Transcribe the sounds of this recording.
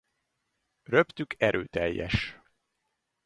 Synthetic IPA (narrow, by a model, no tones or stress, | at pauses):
røpt̪ykʰɛɾʔøːt̪ɛjːɛ̰ʃ